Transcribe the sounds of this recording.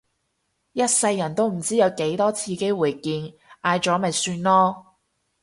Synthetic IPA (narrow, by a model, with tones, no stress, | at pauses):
jɐ˥t̚sɐ˧jːɐ˨˩nt̪o˥wm̩˨˩t͡siː˥jɐ˨˧wke˨˥jt̪ɔː˥t͡sʰiː˧ke˥wuː˨˩jkiː˧n | ʔaː˧jt͡ʃɔː˨˥mɐ˨˩jsyː˧nlɔː˥